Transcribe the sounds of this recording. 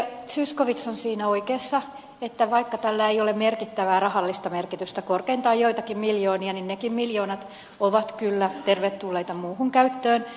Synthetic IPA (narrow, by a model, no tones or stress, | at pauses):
syskoʋit̪sonsiːnæoikeːsːɑ | et̪ːæʋɑikːɑt̪ælːæejolemmerkit̪ːæʋæːrɑhɑlːist̪ɑmerkit̪yst̪ækorkeint̪ɑːjjoit̪ɑkimmiljoːniɑninnekimmiljo̞ːnɑt̪ | oʋɑt̪kylːæt̪erʋet̪t̪ulːeijt̪ɑmuːhuŋkæyt̪ːøːn